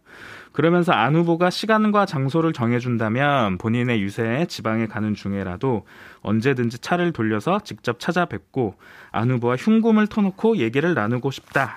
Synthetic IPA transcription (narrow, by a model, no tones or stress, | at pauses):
kɯɾʌmjʌns̬ʰʌanɦuboɡaɕʰiɡanɡwat͡ɕaŋsʰoɾɯɭt͡ɕʌŋɦe̞d͡ʑundamjʌnpoɲine̞jusʰe̞ːt͡ɕibaŋe̞kanɯnt͡ɕuŋe̞ɾa̰doʌ̰nd͡ʑe̞dɯnd͡ʑit͡ɕʰaɾɯɭtoʎːʌsʰʌt͡ɕik̚t͡ɕ͈ʌp̚t͡ɕʰad͡ʑabwe̞k̚k͈oa̰nɦubowaçjuŋɡumɯɭtʰʌnʌkʰoje̞ɡiɾɯɭnanuɡoɕʰi̥p̚t͈a